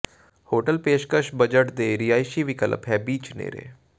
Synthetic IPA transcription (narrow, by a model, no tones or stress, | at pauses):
hoːʈəlpeːʃkəʃbəd͡ʒəʈd̪eːɾiːaːiʃiːʋɪkələpɦɛːbiːt͡ʃnḛːɾḛː